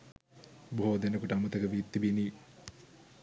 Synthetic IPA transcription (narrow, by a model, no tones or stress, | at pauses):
boɦoːd̪enəkuʈəamut̪əkəʋit̪ːibiniː